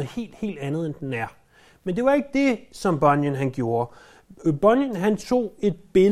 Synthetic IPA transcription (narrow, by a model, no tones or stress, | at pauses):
ðhe̝̰ːld̥he̝̰ːld̥ænð̞̩ˠend̥enæɐ | mend̥e̝ʋɑ̈e̝ɡ̥̚əd̥e̝sɒ̽mb̥ɒ̽njənɦænɡ̥jo̝ːɐ | b̥ɒnjənɦænt͡sʰo̝̰ːe̝d̥̚b̥e